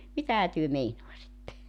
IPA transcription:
mitæhæ tyø meinoɑsitːe

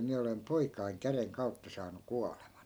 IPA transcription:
miæ olem poikɑiŋ kæreŋ kɑu̞tːɑ sɑːnu kuɑlemɑn

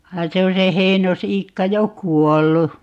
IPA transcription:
ʋɑin se on̞ se heinosiːkːɑ jo kuolːu

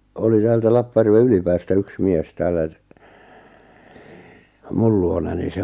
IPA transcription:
oli tæːltæ lɑpːɑj̆ærʋe ylipæːstæ yks mies tæːlˑæ t mul luonɑni se

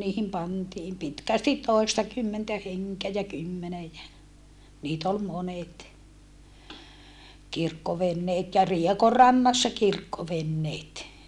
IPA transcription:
niːhim pɑntiːm pitkæstit toˑistɑkymːentæ heŋkeæ jæ kymːenej jæ niːt ol monet kirkːoʋenːeːt jɑ riekorːɑnːɑsːɑ kirkːoʋenːeːt

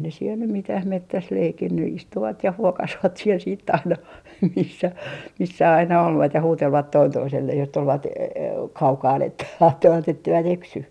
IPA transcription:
ne siel nym mitæh metːæs leikinːy istuʋɑt jɑ huokɑsʋɑt siel siːtː ɑinɑ misːæ misːæ ɑinɑ olʋɑt jɑ huːtelʋɑt toin toiselːeh jos tulʋɑt e kɑukɑːn etːæ kɑtːoʋɑt etːeiʋæt eksy

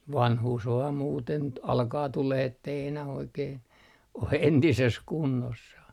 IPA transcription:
ʋɑnhuːs ʋɑːm muːten t ɑlkɑː tuleh etːei enæh oikeːn o entises kunːosːɑh

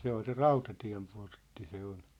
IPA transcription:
se ol se rɑutɑtiæ̝mportːi se ol

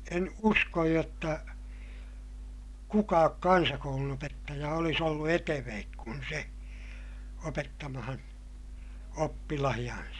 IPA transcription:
en uskoj jotːɑ kukɑːk kɑnsɑkoulunopetːɑjɑ olis olːu eteʋeːk kun se opetːɑmɑhɑn opːilɑhij̆ɑnsɑ

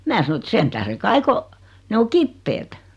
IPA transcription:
mæː sɑno ĕt sen tæhre kɑi ko ne o kipːeːt

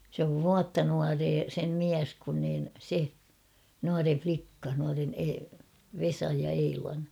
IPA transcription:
sĕ oʋ ʋuɑtːɑ nuɑreː sem miæs kun niːn se nuɑre flikːɑ nuɑren e ʋesɑj jɑ eilɑn

